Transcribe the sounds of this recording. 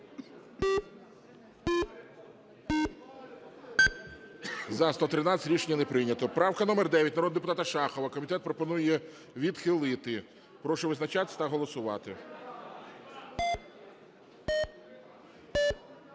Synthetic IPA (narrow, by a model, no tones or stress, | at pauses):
zɐst̪ɔt̪ɾɪnɑɾʲiʃenʲːɐnepɾɪnʲɐt̪ɔpɾɑwkɐnɔmerd̪ɛʋʲjɐtʲnɐɾɔd̪d̪epʊt̪ɑt̪ɐʃɑxɔʋɐkɔmʲit̪ɛt̪̚pɾɔpɔnujɛ | ʋʲid̪xɪlˠɪt̪ɪ | pɾɔʃɔʋɪznɐt͡ʃat̪sʲɐ̥t̪ɐɦɔlˠɔsʊʋɑt̪ɪ